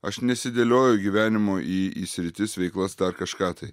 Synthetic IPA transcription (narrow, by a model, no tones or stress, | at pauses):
ɐʃnʲɛsʲɪd̪ʲɛlʲoːjʊɡʲiːʋʲæːnʲɪmoːʔiːḭːsʲɾʲɪt̪ʲɪsʋʲɛɪklˠɐsd̪ɐɾkɐʃkɑːt̪ɐɪ